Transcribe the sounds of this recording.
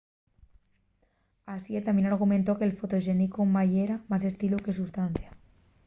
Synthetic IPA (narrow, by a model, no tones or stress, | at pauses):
asiet̪amjienaɾɣ̞umẽnt̪o̞kelfot̪oʃenikomajeɾamas̬e̞st̪iluke̞sust̪an̟θja